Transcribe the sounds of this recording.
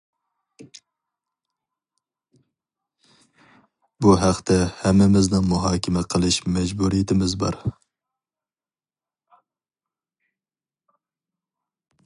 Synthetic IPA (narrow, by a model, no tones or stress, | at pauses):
buɦæχt̪ʰɛhɛmːɪmɪznɪŋmuɦɑːkʲʰɪmɛqʰəlˠɨʃmɛd͡ʒbuɾijɪt̪ʰɪmɪzbɑ̰ɾ